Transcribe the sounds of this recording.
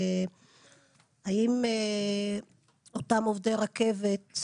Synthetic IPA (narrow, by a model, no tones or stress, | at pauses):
aime | otamovdeʁake̞vet